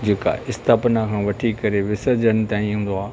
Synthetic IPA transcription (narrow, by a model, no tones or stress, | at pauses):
d͡ʑeːka̰ʔɪst̪ʰaːpnakʰãːʋɐʈʰikɐɾeʋɪsəd͡ʑəñɪ̆t̪aːĩɦũːnd̪oaː